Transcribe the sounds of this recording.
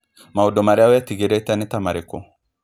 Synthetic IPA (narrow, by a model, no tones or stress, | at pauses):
mawodɔmaɾɛawjat̪iɡeɾet̪anit̪amaɾeko